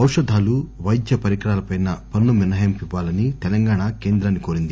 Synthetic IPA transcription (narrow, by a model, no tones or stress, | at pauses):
ɐwʂɐd̪ʱaːluʋɐjd̪jɐpɐɾikɽaːlɐpɐjnɐpɐnːuminɐjɐmpiʋːaːlɐnit̪ɛlɐŋɡaːɳake̞ːnd̪ɾaːnːikoːɾind̪i